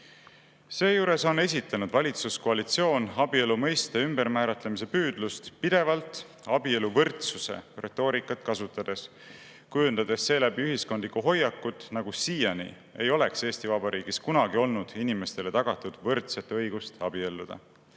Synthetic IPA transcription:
se̞ːjuːɾe̞so̞ne̞s̬ʲit̪ːˑɑnud̪̥vɑlʲit̪susko̞ɑlit̪sio̞ːnɑbie̞lumɤjst̪eymb̥e̞ɾmæːɾɑt̪lemis̬e̞pyːd̪̥lust̪pid̪̥e̞vɑlt̪ˑ | ɑbieluvɤrt̪suse̞̰re̞̰t̪ːˑo̞ːɾikːˑɑt̪kɑsut̪ːˑɑd̪̥e̞s | kujund̪ɑd̪̥e̞sːe̞ːlæb̥iyɦhiskond̪likːˑuɦo̞jːɑkːˑut̪ːˑnɑɡ̥usiːjɑnḭ | e̞̰jo̞le̞kseːst̪ivɑbɑɾiːɡ̥iskunɑɡio̞lnud̪̥inime̞st̪e̞le̞t̪ɑɡ̥ɑt̪ːˑud̪̥vɤrt̪se̞t̪ːɤ̞jɡ̥ust̪ɑb̥ie̞lːud̪̥ɑ̰

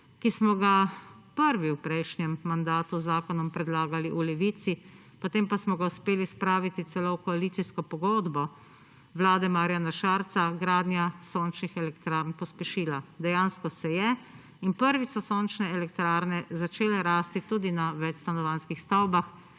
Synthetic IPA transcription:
kismɔɡa | pəɾʋiwpɾɛjʃnɛmːand̪aːt̪uzaːkɔnɔmpɾɛd̪laːɡaliʔulɛʋit̪si | pɔt̪eːmpasmɔɡauspeːlispɾaːʋit̪it̪sɛlokɔaliːt̪iskɔpɔɡoːd̪bɔ | ʋlaːd̪ɛmaːɾjanaʃaɾt̪saɡɾaːd̪njasoːnt͡ʃnixɛlɛkt̪ɾaːɾnpɔspɛʃiːlad̪ɛjaːnskɔsɛjɛ | inpəɾʋisɔsoːnt͡ʃnɛɛlɛk̚t̪ɾaːɾnɛzat͡ʃeːlɛɾaːst̪it̪uːd̪inaʋɛt͡ʃst̪anɔʋanskixst̪awbax

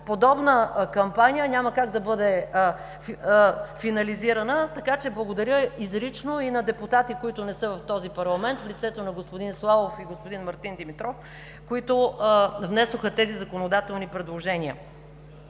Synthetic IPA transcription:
pod̪ɔbnəkɐmpanʲijənʲaməkaɡd̪ɐbɤd̪ɛ | finɐliziɾɐnət̪ɐkat͡ʃɛblˠɐɡod̪ɐɾʲjəizɾit͡ʃnoinɐd̪ɛput̪at̪ikoit̪ʊnɛsɤvɐft̪ɔzipɐɾlˠɐmɛnt̪flit̪sɛt̪onɐɡospod̪inslˠavofiɡospod̪inmɐɾt̪ind̪ɛmit̪ɾɔf | koit̪ʊvnɛsoxət̪ɛzizɐkonod̪at̪ɛlˠnipɾɛd̪lˠoʒɛniə̰

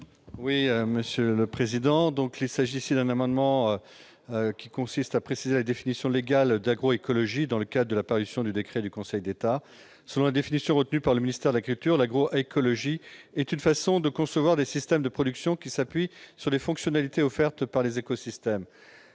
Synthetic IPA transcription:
wiøməsjøləpχezid̪ɑ̃d̪ɔ̃kilsaʒiːsid̪ɛ̃namɑ̃d̪mɑ̃ø | økʲikɔ̃sist̪apχesizelad̪efinisjɔ̃leɡald̪aɡʁoekɔlɔʒid̪ɑ̃ləkad̪ʁd̪əlapaʁysjɔ̃d̪yd̪ekχɛd̪ykɔ̃sɛjd̪et̪a | səlɔ̃lad̪efinisjɔ̃ʁət̪nypaʁləminist̪ɛʁd̪əlakylt̪yʁlaɡʁoʔekʰɔlɔʒiɛt̪ynfasɔ̃d̪əkɔ̃səvwaʁd̪esist̪ɛmd̪əpχɔd̪yksjɔ̃kʲisapɥisyʁlefɔ̃ksjɔnalit̪eɔfɛʁt̪paʁlezekɔsist̪ɛm

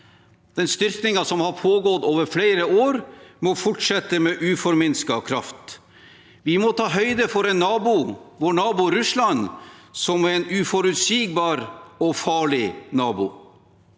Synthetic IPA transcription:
d̪̥ɛnst̪ʏɾknɪŋɑsɔmhɑɾpʰoːɡɔt̪oːʋəɾfleːɾəoːɾmɔfʊʈʂɛt̪ːəmeːʔʉːfɔɾmɪnskɑkʰɾɑft̪ | ʋɪmɔt̪ʰɑːɦœʏd̪əfɔɾɛnːɑːbʊʋoːɳɑːbʊɾʉslɑnsɔmɛnʉːfɔɾʉt̪siːɡ̚bɑːɾɔfɑːɭɪnɑːbʊ̰

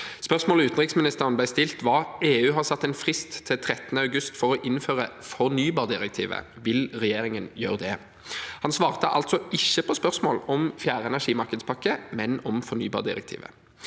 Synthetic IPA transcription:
spœʁsmoːləʉːt̪n̩ʁɪksmɪnɪst̪əʁənblæɪst̪ɪlt̪ʋɑːeːʉːɦɑːʁsɑt̪ːɛnfʁɪst̪ʰːɪlt̪ʰɾɛt̪ːənəɑʉɡʉst̪fɔʁɔʔɪnføːʁəfɔʁnyːbɑːʁd̪ɪʁɛk̚t̪ʰḭːʋə̰ | ʋɪlʁɛjeːɾɪŋənjøːʁəd̪ɛ | hɑnsʋɑːʁt̪əʔɑ̰lt̪sɔʔɪçːəpʰɔspœʁsmo̰ːlɔmfjæːʁəɛnæʂiːmɑʁkəd̪spʰɑkːəmɛnɔmfɔʁnyːbɑ̰ʁd̪ɪ̰ʁɛ̰k̚t̪ʰḭːʋə̰

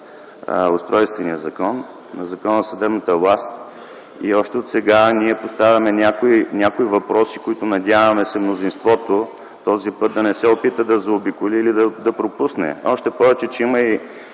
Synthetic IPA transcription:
ʊst̪ɾɔjst̪vɛnijəzɐkɔnː | ɐzɐkɔnəsɐd̪ɛbnɐt̪əvlˠast̪ | iɔʃt̪ɛot̪sɛɡaniɛpost̪avʲɐmɛnʲakoinʲjakoivɐpɾɔsikoit̪ʊnɐd̪ʲjavɐmɛsɛmnozinst̪vɔt̪o | t̪ɔzipɤt̪̚d̪ɐnɛsɛopit̪əd̪ɐzɐobikʊliːlid̪ɐd̪ɐpɾopusnɛ̰ɔʃt̪ɛpɔvɛt͡ʃɛt͡ʃɛiməi

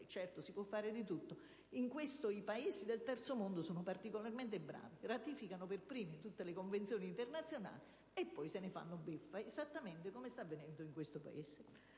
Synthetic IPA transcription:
t͡ʃɛrt̪osipwɔfːaːɾɪd̪it̪ut̪ːo | iŋkwest̪oipaezid̪elt̪ɛrt̪somond̪osoːnopart̪ikolarment̪ebɾa̰ːvirat̪iːfikanoperpɾiːmit̪ut̪ːelɪkoɱvent̪sjoːniːnt̪ernat̪sːjona̰ːli | epːɔjsenɪfa̰nːʊbefːaezat̪ːament̪ekomest̪avːenɛnd̪ʊiŋkwest̪opa̰ez̥e

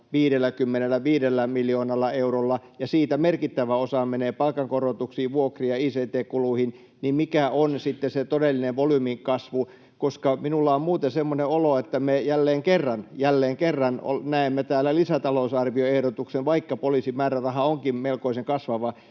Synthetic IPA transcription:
ʋiːɾelːˑækymːenelːˑæʋiːdelːæmiljoːnɑlːɑeurolːɑjɑsiːt̪æmerkit̪ːæʋæosɑmeneːpɑlkɑŋkorot̪uksiːʋʋuokrijɑiːseːt̪eːkuluhin | nimmikæonsit̪ːeset̪odelːineʋʋolyːmiŋkɑsʋu | koskɑminulːɑommuːt̪ensemːoneoloet̪ːæmejælːeːŋkerːɑnjælːeːŋkerːɑno̰næemːet̪æːlːælisæt̪ɑlousɑrʋioehɾot̪uksenʋɑikːɑpoliːˑsimæːrærɑhɑoŋkimmelkoiseŋkɑsʋɑʋɑ

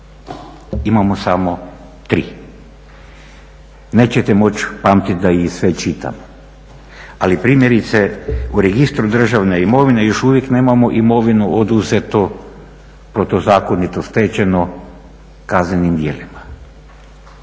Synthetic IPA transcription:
imamosamo̞ | t̪ɾi | ne̞t͡ɕet̪emo̞t͡ɕpaːmt̪it̪d̪aisʋe̞t͡ʃit̪a̰mo | alipɾiːmje̞ɾit̪seuɾe̞ɡist̪ɾud̪r̩ʒaʋne̞imo̞ʋine̞jo̞ʃuʋje̞kne̞ːmamo̞ʔimo̞ʋinuod̪uze̞t̪o | pɾo̞t̪ozaːko̞nit̪ost̪et͡ɕeno | kaznenimd̪je̞̰ːlima

